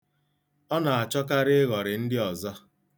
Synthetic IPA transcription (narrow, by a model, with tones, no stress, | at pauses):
ɔ˦na˨a˨t͡ʃɔ˦ka˦ɾɪ˦ɣɔ˨ɾɪ˨n̩˦dɪ˦ɔ˨zɔ˦